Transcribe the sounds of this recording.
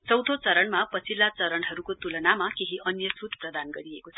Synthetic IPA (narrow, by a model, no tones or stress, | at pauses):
t͡sʌwd̪ʱot͡sʌɾʌɳmapʌt͡sʰilːat͡sʌɾʌnɦʌɾukot̪ulʌnamakeɦiʔʌnjʌsut̪prʌd̪anɡʌɾiekot͡sʰʌ